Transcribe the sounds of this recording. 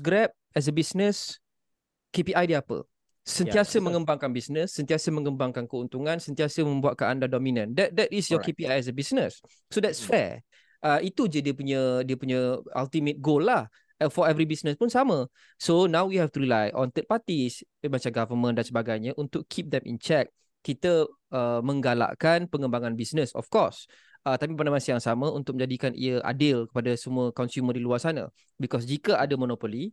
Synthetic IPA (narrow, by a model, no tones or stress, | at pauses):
ɡɾɛp̚ | ɛs̬əbisnəs | kepiʔajdiapə̰ | səniasəmə̃ŋə̃mbaŋkanbisnə̃sːənt̪iasəmə̃ŋəmbaŋkankəunt̪uŋãnsənt̪iasəmə̃mbuat̪̚kanandadɔmĩnə̃ndɛt̚dɛtisjɔkepiajɛsəbisnəs | sodɛtsfɛ̰ | ʔəit̪ud͡ʒədiəpuɲədiəpuɲə̃a̰lt̪imə̃t̪̚ɡolːah | fɔɛvɾibisnəspunsamə̃ | sonãwwiɦɛft̪uɾilajɔ̰̃nt̪ət̪̚pat̪is | mat͡ʃamɡavəmə̃ndansəbaɡajɲəʔunt̪ʊkːʰip̚d̪ɛmḭnt͡ʃɛk̚ | kːit̪ə | əmə̃ŋɡala̰ʔkanpəŋəmbaŋãnbisnəsɔ̰fkɔs | ət̪ap̬ipanamasəjaŋsamə̃unt̪ʊk̚mə̃ɲd͡ʒadikanʔḭəʔa̰dɪlkə̥padasəmũəkɔnsumədiluarsanã̰ | bikɔs̬d͡ʒikəʔadəmɔnɔpoli